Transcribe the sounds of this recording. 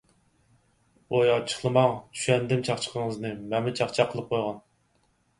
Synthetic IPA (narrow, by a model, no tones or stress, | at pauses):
ojɑt͡ʃʰə̥χlˠɨmɑŋt͡ʃ̪ʰy̥ʃɛnd̪ɪmt͡ʃʰɑχt͡ʃʰə̥qʰəŋəznɨmɛmɪt͡ʃʰɑχt͡ʃʰɑqʰːəlˠɨp̚qʰojʁɑn